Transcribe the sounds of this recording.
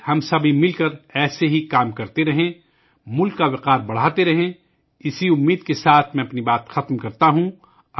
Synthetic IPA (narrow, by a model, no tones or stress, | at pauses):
hɐmsɐbʱimɪlkɐɾɛːseɦikaːmkɐɾt̪eɾɐɦẽ | mʊlkːaʋɪqaːɾbɐɽ̤aːt̪eɾɐɦẽ | ɪsiʊmːiːd̪̚kesaːt̪ʰmɛ̃ɐpnibaːt̪xɐt̪mkɐɾt̪aɦũ | ɐ